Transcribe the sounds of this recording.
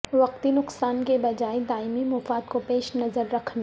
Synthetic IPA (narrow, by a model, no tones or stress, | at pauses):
ʋɐq̚t̪inʊqsaːnkebɐd͡ʒaːed̪aːɪmimʊfaːd̪kopeːʃnɐzəɾːɐkʰn